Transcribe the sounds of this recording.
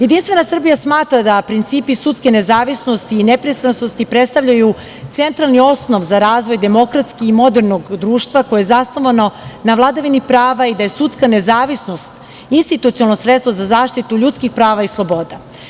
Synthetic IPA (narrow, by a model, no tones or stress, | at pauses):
je̞d̪inst̪vʋe̞nasr̩bijasmaːt̪ɾad̪apɾint̪siːpisut̪skenezaːʋisnost̪iːnepɾest̪ansnost̪ipɾet̪st̪avʎaju | t̪se̞nt̪ɾalnio̞sno̞ʋzaɾaːzʋo̞jd̪e̞mo̞kɾat̪skiimo̞d̪eɾno̞ɡd̪ɾuːʃt̪ʋakojeezasno̞ʋano̞naʋlˠad̪aʋinipɾaːʋaid̪aje̞sut̪skane̞zaːʋisno̞st̪ | inst̪it̪ut̪ionalnosɾet̪st̪vozazaːʃt̪it̪uʎut̪skixpɾaːʋaislˠo̞bo̞d̪a